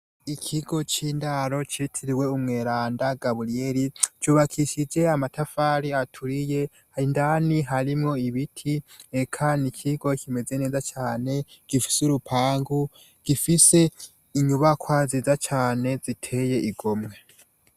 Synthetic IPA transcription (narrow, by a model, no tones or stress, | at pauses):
ikʰiɡo̞t͡ʃiːndaɾo̞t͡ʃetʰiɾiwe̞umŋe̞ːɾaːndaɡaβuɾieɾit͡ʃuːβakʰiʃid͡ʒe̞amatʰafaːɾiatʰuɾije̞ | indaniɦaɾimŋo̞iβitʰiekʰanikʰiɡo̞kʰime̞ze̞ne̞ːzat͡ʃaːne̞ɡ̥ifi̥suɾupʰaːŋɡu | ɡ̥ifise̞ | iɲuβakwazizat͡ʃaːne̞zitʰe̞je̞ʔiɡo̞mŋe̞